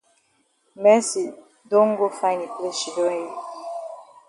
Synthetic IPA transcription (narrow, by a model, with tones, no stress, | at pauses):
mɛ˦si˨ | dõ˦ŋ̩˦ɡo˦fã˦ɪ̃ni˨ple˦ʃi˨do˦i˦